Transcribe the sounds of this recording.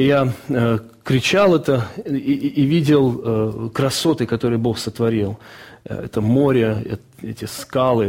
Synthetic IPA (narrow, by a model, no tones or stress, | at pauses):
ja | kɾʲɪt͡ɕalˠɛt̪ə | ivʲidʲɪlˠkɾɐso̞t̪ɨkɐt̪o̞ɾɨjbo̞xsət̪vɐɾʲilˠɛ̰t̪əmo̞ɾʲəɛ̰ | ɛtʲɪskalˠɨ